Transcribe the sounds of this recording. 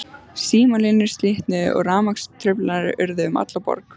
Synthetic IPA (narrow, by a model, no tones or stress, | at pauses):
siːmɔnlɪnːɪɾ̥st̪lɪht̪nɪʔɔ̰ɣraːmakst̪ʰɾʏplaɾʔʏɾðɪʏma̰t̪lapɔ̰ɾk